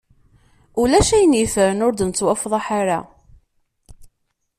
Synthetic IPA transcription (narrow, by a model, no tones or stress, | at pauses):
ulæʃæjənifəɾənʊɾd̪ənət͡sːwæfðˤɑħaɾa̰